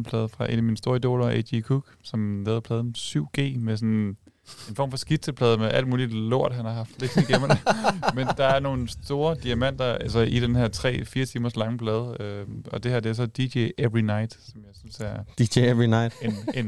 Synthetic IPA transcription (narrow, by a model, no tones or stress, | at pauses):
pʰlɛːðˠfʁɑ̈ʔe̝̰næminəsd̥o̝ɐid̥o̝̰ːlɐḛdikʰuɡ̥sɒ̽mlɛːðˠɐpʰlɛːðˠnsyʊ̰ɡ̥e̝̰ːmes̬ɔn | e̝nfɒ̰mfɒ̽sɡ̥id̥sʰəpʰlɛːð̞ˠəmeʔæl̰d̥muːlidlo̝ɐ̰d̥ɦænhɑ̈ɦɑ̈fd̥l̥eɡ̥sniɡ̥emmend̥ɑ̈æɐno̝ːn̩sd̥o̝ːɐd̥iæmæn̰d̥ɐælsɐʔid̥enhæɐt͡sʰʁɛ̰ːfiːɐt͡sʰiːmɐslɑ̈ŋəpʰlɛːð̞ˠəøɒ̽d̥e̝hæɐd̥e̝æɐsɒ̽d̥iɕeʔeʁinɑ̈ɪ̰d̥sɒ̽mjɑ̈ɪsynsæɐd̥i̥eeinaɪd̥enen